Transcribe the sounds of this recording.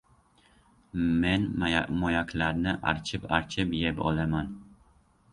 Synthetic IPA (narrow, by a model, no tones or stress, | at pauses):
menmojakʲʰlaɾnɪʔa̰ɾt͡ʃʰɪpaɾt͡ʃʰɪpjepɒ̰laman